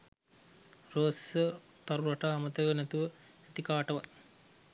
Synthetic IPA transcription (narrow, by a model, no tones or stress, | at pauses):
roːsə | t̪ɐɾuɾɐʈaːmɐt̪ɐʋənɛt̪uʋə | et̪ikaːʈɐʋɐ̰